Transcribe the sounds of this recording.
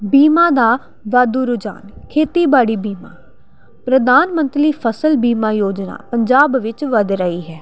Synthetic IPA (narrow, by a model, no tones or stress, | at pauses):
biːmãːd̪aː | ʋaːd̪uːɾʊd͡ʒa̰ːnkʰeːt̪iːbaːɽiːbiːma̰ː | pɾəd̪aːnmə̃nt̪liːpʰəsəlbiːmaːjoːd͡ʒna̰ːpəɲd͡ʒaːbʋɪt͡ʃʋəd̪ɾəiːɦɛː